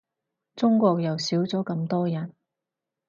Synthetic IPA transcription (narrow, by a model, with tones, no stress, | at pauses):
t͡sʊ˥ŋkʷɔː˧k̚jɐ˨wsiː˨˥wt͡sɔː˨˥kɐ˧mt̪ɔː˥jɐ˨˥n